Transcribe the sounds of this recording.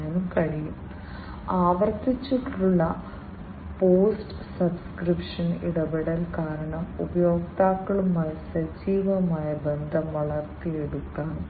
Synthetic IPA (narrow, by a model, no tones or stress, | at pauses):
anumkɐɻijum | aːʋɐrt̪it͡ɕːiʈːuɭːɐ | poːsʈ | sɐbskripʂɐnḭɽɐbɐɽɐlkaːɾɐɳɐmubɐjoːɡt̪aːkːɐɭumaːlsɐd͡ʑiːʋɐmaːjɐbend̪ʱɐmʋɐɭɐrt̪ieɽukːaːm